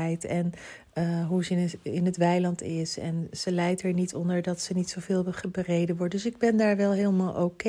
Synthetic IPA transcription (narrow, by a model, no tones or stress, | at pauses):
ɛjtɛn | ɦuzɪnɦətʋɛjlɑntɪsɛ̰nz̥əlɛjtɦɛɹnitɔndəɹdɑtsənitsowveːlˠəəbərejdəʋɔɹt̚dɵs̬ɪɡ̚bɛndaːɹʋɛlˠɦeːlˠmaːlˠʔoke